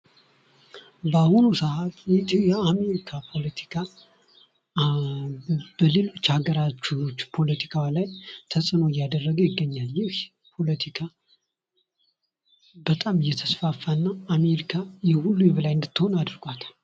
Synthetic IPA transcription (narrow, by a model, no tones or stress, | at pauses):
bahunusəat̪ʼjɪt̪ʼjɛame̞ɾikʰapʰo̞lət̪ʰi̥kʰa | b̥əlɨlt͡ʃʰaɡəɾat͡ʃːut͡ʃːpʰo̞lət̪ʰi̥kʰawlajt̪ʰəsʼɨnoɪjːad̪ərːəɡəjɪɡːəɲːaljɪh | pʰo̞lət̪ʰikʰa | bət̪ʼamɨjːɛt̪ʰəsfafːanːaːmeɾikʰajɛhulːujɛβəlajɨnd̪ɨt̪ːɨho̞nad̪ɨɾɡʷat̪